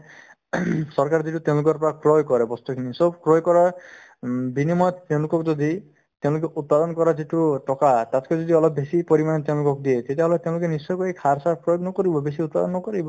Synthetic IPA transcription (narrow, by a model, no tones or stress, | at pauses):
sɔɾkaɾd͡ʒeʈut̪eũlukɔɾpɔɾakɾojkɔɾebɔst̪ukʰinisɔbkɾɔjkɔɾa | binimɔt̪t̪eũlukɔkd͡ʒɔd̪i | t̪ẽw̃lʊk̬eʔut̪̚pad̪ɔnɔkɔɾad͡ʒeʈuʈɔkat̪at̪ʰkɔd͡ʒɔd̪iɔlɔbːesipɔɾimanet̪eũlukɔkud̪iet̪et̪iɦɔlet̪eʊ̃lʊkenisɔjkuekʰaɾsaɾpɾɔjoɡnɔkɔɾibɔbesiut̪̚pad̪ɔnnɔkɔɾibɔ